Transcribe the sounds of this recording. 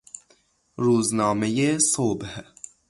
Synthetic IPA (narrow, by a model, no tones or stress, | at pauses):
ɾuːznɒːmejesoːbh